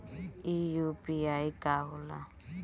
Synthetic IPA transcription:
ijupiaikaula̰

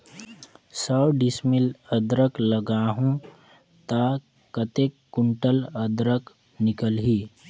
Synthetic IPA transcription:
səwɖɪsmɪləd̪ɾəkləɡaːɦũ | t̪a | kət̪ekːʊɳʈələd̪ɾək | nɪkəlɦiː

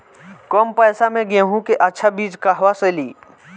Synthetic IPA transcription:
kɔːmpɛːsamẽɡẽɦũkeʔɐtːʃʰabiːd͡ʒkaɦʋaseliː

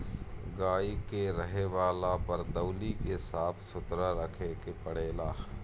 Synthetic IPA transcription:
ɡaːikeɾəɦeʋaːlapɐɾd̪ɐwlikesaːt̪ʰsʊt̪ɾaɾəkʰekepəɽeːlaː

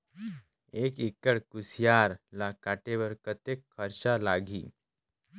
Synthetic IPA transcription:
eːkikːəɽkusjaːɾlakaːʈeʋəɾkət̪ekʰːəɾt͡ʃalaːɡʱḭː

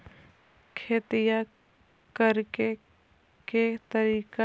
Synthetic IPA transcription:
kʰeːt̪ɪja | kəɾke | ket̪əɾiːka

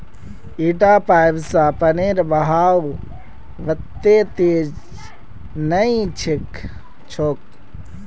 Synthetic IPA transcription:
iʈaːpaːjbsapəneːɾbəɦaːw | ʋət̪ːeːt̪eːd͡ʒ | nəĩt͡ʃʰik | t͡ʃʰoːk̚

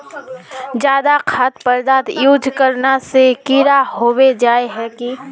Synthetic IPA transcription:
d͡ʒjaːd̪akʰaːt̪pəɾd̪aːt̪juːd͡ʒkəɾnasekiɾahoːwed͡ʒaːeɦɛki

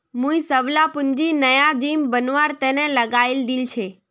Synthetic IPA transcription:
mũĩsəʋlapʊnd͡ʒinəjad͡ʒimbənʋaɾt̪enɛ̃ləɡaild̪ilt͡ʃʰeː

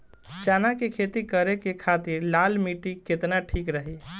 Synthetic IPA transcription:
t͡ʃanakekʰet̪ikəɾekekʰat̪iɾlalmiʈiket̪naʈʰikɾəɦi

